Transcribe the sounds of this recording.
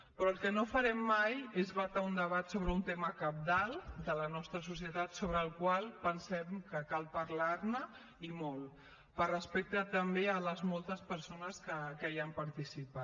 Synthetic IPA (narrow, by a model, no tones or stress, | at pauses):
pɾɔəlˠkənofəɾɛmːajezβat̪aund̪əβat̪soβɾəunt̪eməkəp̚d̪alˠd̪ələnɔst̪ɾəsus̬jət̪at̪soβ̞ɾəːlˠkwalˠpənsɛmkəkalˠpəɾlaɾnə | imɔl | pərəspɛk̚t̪ət̪əmbeələzmɔlˠt̪əspəɾsonəskəkəjampəɾt̪isipa